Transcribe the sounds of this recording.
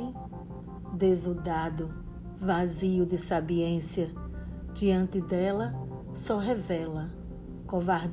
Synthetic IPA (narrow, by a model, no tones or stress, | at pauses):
d̪ezud̪ad̪ʊ | vaziʊd̪ɪsabiẽsiɐ | d͡ʒiɐ̃nt̪ɪd̪ɛlɐ | sɔɦevɛlɐ | kovaɾ